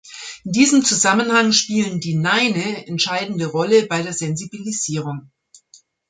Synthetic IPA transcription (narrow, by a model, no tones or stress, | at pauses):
ʔɪndiːzəmt͡suzamənhaŋʃpiːləndiːnaɪnəɛntʃaɪdn̩dəʁɔləbaɪɾeːɐzɛnzibiliziːʁ̞ʊŋ